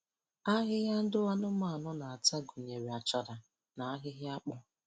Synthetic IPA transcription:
a˦ɦɪ˦ɦja˦n̩˦dʊ˦wa˦nʊ˦ma˦˨nʊ˦na˨a˨ta˦ɡu˨ɲe˨ɾe˨a˨t͡ʃa˨da˨ | na˨a˦ɦɪ˦ɦɪ˦a˦k͡pʊ˦

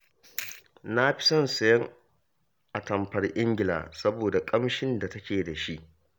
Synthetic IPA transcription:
na˦ɸɪ̥˦sɐ˦nsɐ˨jɐ˦ŋ | ʔa˨tɐ˨mpɐ˨rʔɪ˦ŋɡʲɪ˨la̰ː˨sɐ˦boː˨da˨kʼɐ˦mʃɪ˦nda˨tɐ˦kʲeː˨da˨ʃi˦ʔ

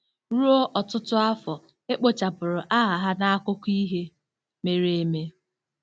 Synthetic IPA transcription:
ɾu˦o˦ʔɔ˨tʊ˦tʊ˦a˦fɔ˨ | e˦k͡po˨t͡ʃa˨pʊ˨ɾʊ˨ʔa˦ɦa˨ɦa˦na˦a˦kʊ˦kʷi˦ɦe˦ | me˨ɾe˨e˨me˦

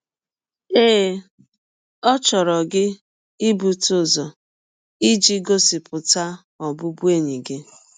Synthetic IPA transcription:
eː˦˨˦ | ɔ˦t͡ʃɔ˨ɾɔ˨ɡɪ˦ | i˦bu˨tʊ˦˨zɔ˨ | i˦d͡ʒi˦ɡo˦sɪ˨pʊ˨ta˦ | ɔ˨bʊ˦bu˦e˦˨ɲi˨ɡɪ˦

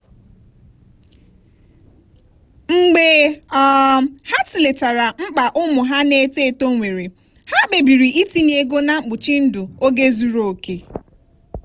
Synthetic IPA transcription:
ŋ͡m̩˦ɡ͡be˦ɔ˦ha˦ti˨le˨t͡ʃa˨ɾa˨ŋ͡m̩˦k͡pa˨ʔʊ˦mʊ˨ɦa˦ne˨˦te˦˨to˦ŋʷe˨ɾe˨ | ha˦be˨bi˨ɾi˨ʔi˦ti˦n˦e˦ɡo˦na˦˨ŋ͡m̩˦k͡pʊ˨t͡ʃi˦n̩˦dʊ˨o˦ɡe˦zu˦ɾo˦˨o˨ke˨

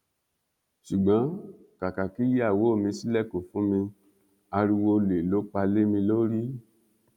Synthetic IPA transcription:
ʃu˨ɡ͡bã˨˦ | ka˨ka˨ki˨˦je˦a˦˨wo˨˦˨mĩ˧si˦lɛ˦˨ko˨fũ˨˦mĩ˧ | a˧ɾi˧wo˧le˨lo˨˦k͡pa˧le˦mĩ˧lo˦ɾi˦

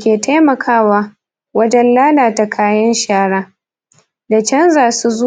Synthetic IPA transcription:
kʲeː˨tʰa˦jmɐ˨kʰaː˦waː˦ | wɐ˦d͡ʒɛ˦nlaː˦laː˨ta˨kʰaː˦jɐ˦nʃaː˦ɽaː˦ | da˨t͡ʃɐ˦nzaː˨su˦z

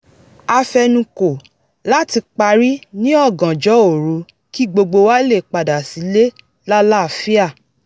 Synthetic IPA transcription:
a˧fɛ˧nũ˨ko˨ | la˦ti˧k͡pa˧ɾi˦nĩ˦ɔ˦˨ɡã˨d͡ʒɔ˨˦o˦˨ɾũ˨˧˦ | ki˦ɡ͡bo˧ɡ͡bo˧wa˦le˦˨k͡pa˨da˨si˨˦le˦ | la˦la˦˨fi˦a˦˨

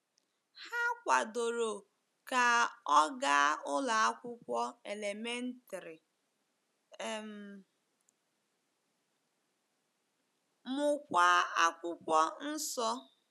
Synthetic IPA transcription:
ha˦kʷa˨do˨ɾo˨ | ka˨ɔ˦ɡa˦ʊ˦la˨a˦kʷʊ˦kʷɔ˦e˨le˨me˦n̩˦ta˨ɾɪ˨ | m̩˨ | mʊ˨kʷa˨a˦kʷʊ˦kʷɔ˦n̩˦sɔ˦

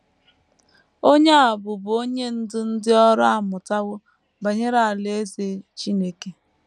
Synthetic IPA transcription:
o˦ɲe˦a˨bʊ˨bʊ˨o˦ɲe˦n̩˦dɪ˦n̩˦dɪ˦ɔ˦ɾa˦a˨mʊ˨ta˦ɣʊ˦ | ba˨ɲe˦ɾa˨a˨le˦e˦ze˨˦t͡ʃi˦ne˦ke˦

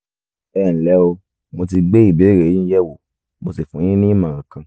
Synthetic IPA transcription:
ɛ˦˨n̩˨lɛ˨˦o˧ | mo˧t̬i˧ɡ͡be˦i˦˨be˨˦˨ɾe˨˦ĩ˦jɛ˦wo˨ | mo˨se˨fũ˨˦jĩ˦nĩ˦ĩ˦mã˨ɾã˨kã˧

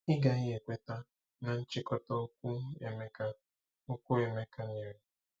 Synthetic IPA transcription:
ɪ˦ɡa˨ɣɪ˦e˨kʷe˦ta˦ | na˨n̩˦t͡ʃɪ˦kɔ˦tɔ˦ku˦e˨me˦ka˦ | ʊ˦kʷu˦e˨me˦ka˦ne˨ɾe˨˦

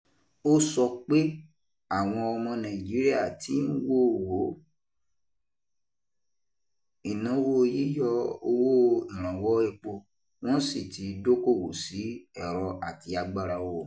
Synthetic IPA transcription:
o˦sɔ˧k͡pe˦ | a˦˨w̃ɔ̃˧ɔ˧mɔ̃˧nã˨i˨d͡ʒi˨˦ɾi˦a˦˨ti˨˦n̩˦wo˦˨wo˨˦ | i˨nã˨˦wo˦˧ji˨˦jɔ˦o˧wo˦ĩ˨ɾ̃ã˨wɔ˦ɛ˧k͡po˧ | w̃ɔ̃˦n̩˦si˦˨ti˧˦do˦ko˦˨wo˨si˨˦ɛ˦˨ɾɔ˧a˦˨ti˧˦a˧ɡ͡ba˦˧ɾa˧wo˦˨

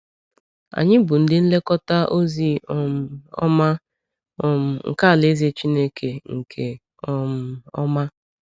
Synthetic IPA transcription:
a̰˨ɲɪ˦bʊ˨n̩˨dɪ˦n̩˦le˦kɔ˦ta˦ʔo˦zi˦˨m̩˨ɔ̰˦ma˦ | ɔ˨m̩˨ŋ̩̰˨ka˦˨le˦ze˦t͡ʃi˦ne˦kʰe˨ŋ̩˨kʰe˨ | ɔ˨m̩˦ɔ̰˦ma˦

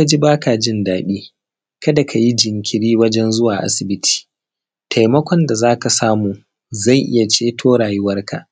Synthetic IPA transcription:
ka˦d͡ʒi˦baː˦ka˨d͡ʒɪ˦ndaː˨ɓiː˦ | kɐ˦da˨kʰa˨ji˦d͡ʒɪ˨ŋkʲʰɪ˨ɽiː˦wɐ˦d͡ʒɛ˦nzʊ˦waː˨ʔa̰˦sɪ˨bɪ˦tʰi̥ː˨ | tʰa˨jmɐ˦kʷɔ˨nda˨zaː˦ka˨saː˦muː˨ | za˦˨jʔɪ̰˦ja˨t͡ʃeː˦tʰoː˦ɽaː˨jʊ˦wɐ˦rka˨ʔ

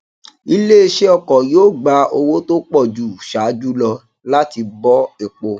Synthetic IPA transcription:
i˦le˦e˧ʃe˦ɔ˧kɔ˨joː˦˨ɡ͡ba˧o˧wo˦to˦k͡pɔ˦˨d͡ʒu˦˨ʃaː˨˦d͡ʒu˦lɔ˧ | la˦ti˧bɔ˦e˨k͡po˧

